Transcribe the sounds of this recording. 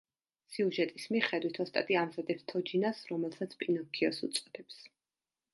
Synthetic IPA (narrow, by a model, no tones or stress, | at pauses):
siuʒɛt̪ʼismiχɛd̪wit̪ʰɔst̪ʼa̰t̪ʼiamzad̪ɛpst̪ʰɔd͡ʒinasɾɔmɛlˠsat̪sʰpʼinɔkʰiɔsṵt̪sʼɔd̪̥ɛps